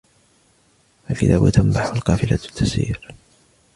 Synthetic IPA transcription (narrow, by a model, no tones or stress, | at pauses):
falkɪt̪aːba̰t̪ʰambaħalqɑːfɪlat̪ʰːasḭːɾ